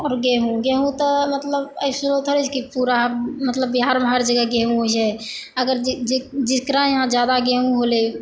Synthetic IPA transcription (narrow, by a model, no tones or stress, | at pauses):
ɔːɾɡeɦũɡeɦũt̪ɔmət̪ləbəjsuɾot̪ʰɦoɾɛt͡ʃʰkipuɾamət̪ləbːiɦaɾmẽɦəɾd͡ʒəɡəɡeɦũɦot͡ʃʰɛ | əɡəɾd͡ʒiskɾãjɦãd͡ʒjad̪aɡeɦũɦole